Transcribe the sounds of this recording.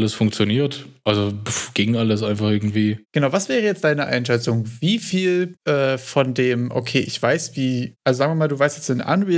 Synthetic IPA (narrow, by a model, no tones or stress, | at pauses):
ləsfʊŋkt͡sjoniːɐtʔalzoɡ̥ɪŋʔaləsʔaɪnfaχʔɪɐɡŋ̩tv̥iːɡ̥ənaʊvasv̥ɛːʁəjɛt͡std̥aɪnəʔa̰ɪnʃɛt͡sʊŋviːfiːlʔɛːfɔndeːmʔo̰kʰeːʔɪçv̥aɪsv̥iːʔalzozaːɡŋviːɐmaːlduːvaɪstjɛt͡stɪnʔa̰nu